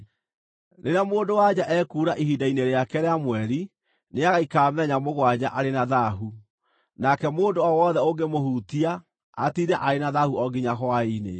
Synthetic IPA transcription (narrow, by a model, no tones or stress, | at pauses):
neɾeamoːndowad͡ʑaʔɛkuːɾaʔiɦidaineɾeakɛɾeamwɛɾi | neaɣaikaːmɛɲamoɣwad͡ʑaʔaɾenaðaɦu | nakɛmoːndoɔwɔðɛoɡemohuːtiaː | tiɾɛʔaɾenaðahuɔɡiɲaɦwainḛ